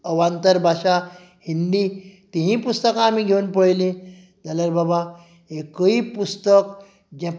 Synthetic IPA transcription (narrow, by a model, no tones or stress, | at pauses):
əʋant̪əɾbʱaɕa | hind̪it̪iɦĩpust̪əkãːmiːɡʱeunpəɭlẽ | d͡zaləɾbaba | ekəiːpust̪ək | d͡ʑã